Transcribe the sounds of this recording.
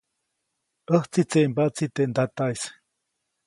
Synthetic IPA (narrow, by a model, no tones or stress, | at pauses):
əht͡sit͡seʔmbaʔt͡sit̪eʔnd̪at̪ajs